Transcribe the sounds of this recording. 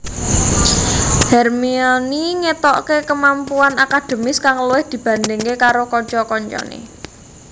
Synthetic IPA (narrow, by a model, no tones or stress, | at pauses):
hɛrmiɔniŋet̪ɔʔkekəmampuanakad̪̥e̤mɪskaŋluwɪhd̪̥i̤b̥ä̤nd̪ɪŋkekaɾokɔɲt͡ʃɔkɔɲt͡ʃɔ̰nḛ